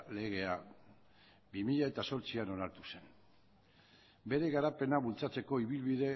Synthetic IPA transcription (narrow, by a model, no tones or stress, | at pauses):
le̞ɣ̞e̞a | bimiʎae̞t̪aso̞ɾt͡siano̞naɾt̪use̞n | be̞ɾe̞ɣaɾape̞naβult͡sat͡se̞ko̞iβ̞ilβiðe̞